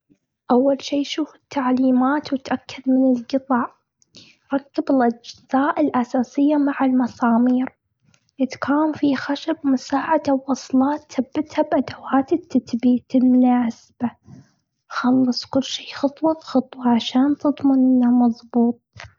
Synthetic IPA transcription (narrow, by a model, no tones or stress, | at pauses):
ʔawːalʃiːʃuːfɪ̥t̪ːaʕliːmaːt̪wɪt̪ʔakʰːad̪mɪnɪlɡɨt̪ˤɑːʕ | ɾˤɑkːabɪlʔad͡ʒz̥aːʔɪlʔasaːsɪjːamaʕalmɑsɑːmiːɾ | ʔɪt̪kʰaːmfixaʃabmʊsaːʕad̪awːɑsˤlɑːt̪θabːɪt̪habʔad̪awaːt̪ɪt̪ːaθbiːt̪ɪlmʊnaːsɪb̥a | xɑlːɨsˤkʊlːʃiːxʊt̪ˤwɑt̪xʊt̪ˤwɑʕaʃaːnt̪ɨðˤmɪnʔɪnːamɑðˤbuːt̪̚ˤ